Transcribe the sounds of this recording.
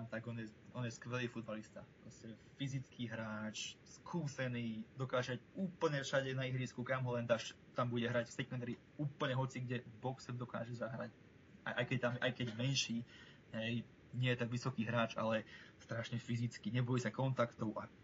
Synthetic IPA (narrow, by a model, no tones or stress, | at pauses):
mt̪aɡɔnjɛɔnjɛskʋɛliːfud̪balist̪apɾɔscɛfizit͡skʰiɦɾaːt͡ʃskʰuːsɛniːd̪ɔkaːʒacuːpl̩ɲɛfʃaɟɛnaiɦɾiːskukamɦɔlɛnd̪aʃ | t̪ambuɟɛɦɾacfsɛkmɛnd̪ɾi | uːpl̩ɲɛɦɔt͡siɡɟɛbɔksɛbd̪ɔka̰ːʒɛzaɦɾac | a̰ʔa̰jkɛc̚t̪amʔa̰jkɛɟmɛnʃiː | ɦɛj | ɲɪɛjɛt̪akʋisɔkiːɦɾaːt͡ʃa̰lɛst̪ɾaʃɲɛfizit͡skiɲɛbɔjisakɔnt̪akt̪ɔʊʔa